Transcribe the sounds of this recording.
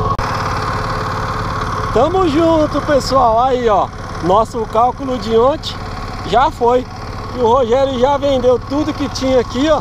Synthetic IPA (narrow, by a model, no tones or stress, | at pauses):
ʃt̪ɐ̃mʊzʒũt̪ʊpesuawaiɔ | nɔsʊkawkʊlʊd͡ʒɪõt͡ʃɪ̥ | ʒafoj | kɪʊhoʒɛɾjʊʒavẽnd̪ewt̪ud̪ʊkɪt͡ʃĩɲɐakiɔ